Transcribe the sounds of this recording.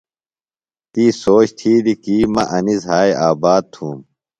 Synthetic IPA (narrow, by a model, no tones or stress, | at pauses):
t̪iːsoːt͡ɕt̪ʰiːd̪ikiːmɐʔɐnizɦaːjaːbaːd̪̚t̪ʰuːm